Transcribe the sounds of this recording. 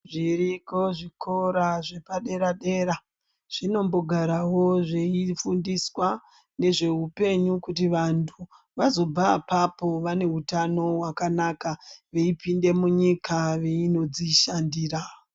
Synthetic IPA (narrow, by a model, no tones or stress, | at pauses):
ʐiriko̞ʐikʰoɾaʐe̞paɗe̞ɾaɗe̞ɾa | ʐ̥ino̞mbo̞ɡʱaɾawo̞ʐeifundiswa | ne̞ʐe̞ɦupe̞ɲukutiʋantʰu | ʋazo̞bapapo̞ʋane̞ɦutano̞wakanakaʋe̞ipinde̞muɲikʰaʋe̞ino̞d͡ziʃandiːɾa